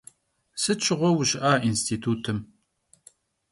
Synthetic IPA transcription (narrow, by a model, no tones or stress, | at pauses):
sɨt͡ʃʰɪʁʷɔwʊɕɪʔaːʔinstʰiːtʰuːtʰɨm